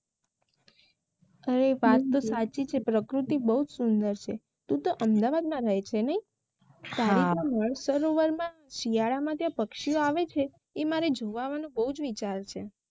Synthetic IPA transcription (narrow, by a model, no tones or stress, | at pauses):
əɾeʋat̪ːosat͡ʃit͡ʃʰepɾəkɾut̪ibəɦud͡ʒsund̪əɾt͡ʃʰe | t̪ũt̪oʔəmd̪aʋad̪mãɾəɦet͡ʃʰenəɦi | t̪aɾeaməɭsəɾoʋəɾmãʃijaɭamãt̪jãpəkʃioaʋet͡ʃʰeː | maɾed͡ʒoʋaʋanõbəɦud͡ʒʋit͡ʃaɾt͡ʃʰe